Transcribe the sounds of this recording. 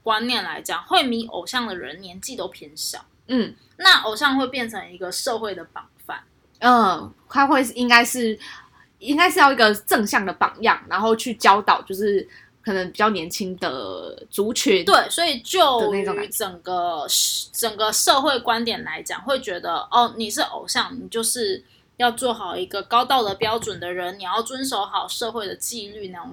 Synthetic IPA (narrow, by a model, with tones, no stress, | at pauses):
kwa˦njɛ˥˩nla̰˧˥ɪt͡ɕjɑ˨˩ŋxwe˥˩ɪmi˧˥ʔo̰˨˩ʊɕjɑ˥˩ŋd̪ə˩ɻə̰˧˦nnjɛ˧˥nt͡ɕi˥˧t̪o˥ʊpʰji˧˥nɕjɑ̰˨˩˦ʊ | n̩˥˩ | na˥˩ʔo˨˩ʊɕjɑ˥˧ŋxwe˥˧ɪpjɛ˥˩nt͡sʰə˧˥ŋi˧˥ɡə˧ʂɤ˥˧xwe˥˩ɪd̪ə˩pɑ˨˩ŋfa̰˥˩n | ə˥˩ | ta˥xwe˥˧ɪ˥˩i˦˥ŋka˥ɪʂɻ̩˥˩ | i˥ŋka˥ɪʂɻ̩˥˧jɑ˥˩ʊi˧ɡə˧ʈ͡ʂɤ˥˧ŋɕjɑ˥˩ŋd̪ə˩pɑ̰˨˩ŋjɑ̰˥˩ŋna˧˦nxo˥˧ʊt͡ɕʰy˥˩t͡ɕjɑ˥ʊt̪ɑ˨˩ʊt͡ɕjo˥˧ʊʂɻ̩˥˩ | kʰɤ˨˩nə˧˦ŋpi˨˩t͡ɕjɑ˥˩ʊnjɛ˧˥nt͡ɕʰi˥ŋd̪ə̰˩t͡su˨˧˥t͡ɕʰy˧˥˦nt̪we˥˩ɪswɔ˧˥i˨˩t͡ɕjo˥˩ʊ˧ne˥˩o˨˦ykʈ͡ʂə˨˩ŋɡə˦ʈ͡ʂə˨˩ŋɡə˦ʂɤ˥˧xwe˥˩ɪkwa˦˥nt̪jɛ˨˩nla˧˦˥ɪt͡ɕjɑ̰˨˩ŋxwe˥˩ɪt͡ɕɥɛ˧˥d̪ə˧ɔ˥˩ni˨˩ʂ̬ɻ̩˥˩ʔo̰˨˩ʊɕjɑ˥˩ŋni˨˩t͡ɕjo˥˧ʊʂɻ̩˥˩ | jɑ˥˧ʊt͡swɔ˥˨˩xɑ˨˩ʊi˧˥ɡə˧kɑ˥ʊt̪ɑ˥˩ʊd̪ə˩pjɑ˥ʊʈ͡ʂwə˨˩nd̪ə˩ɻə˧˦nni˨˩jɑ˥˩ʊt͡swə˦nʂ̬o˧˥ʊxɑ˨˩ʊʂɤ˥˧xwe˥˩ɪd̪ə˩t͡ɕi˥˧ly˥˧na˥˧˩